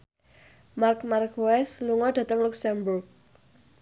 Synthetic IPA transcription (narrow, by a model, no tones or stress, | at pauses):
markmarkwɛsluŋɔd̥ä̤t̪əŋluksɛmbʊrk̚